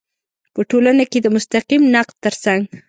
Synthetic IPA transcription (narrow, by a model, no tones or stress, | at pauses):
pəʈolanaked̪əmʊst̪aqimnaq̚d̪̚t̪ːəɾsaŋɡ